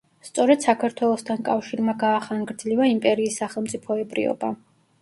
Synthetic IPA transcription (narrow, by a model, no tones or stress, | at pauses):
st̪sʼɔɾɛd̪̥sakʰaɾt̪ʰwɛlˠɔst̪ʰankʼafʃiɾmaɡaːχaŋɡɾd̪zlivaimpʼɛɾiːsːaχɛlˠmt̪sʼipʰɔɛbʼɾḭɔ̰ba